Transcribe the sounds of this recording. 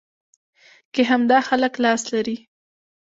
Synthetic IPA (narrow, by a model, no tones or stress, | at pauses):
keɦamd̪ɑxaləklɑslaɾi